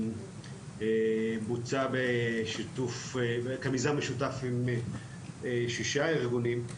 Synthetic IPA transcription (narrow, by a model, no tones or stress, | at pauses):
ebut͡sabeʃitufekamizameʃutafim | eʃiʃaiʁɡunim